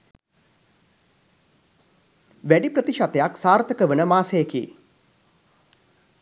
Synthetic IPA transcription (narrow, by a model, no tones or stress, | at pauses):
ʋæɖiprət̪iʃat̪ejaksaːrt̪ʰəkəʋənəmaːsejːkḭː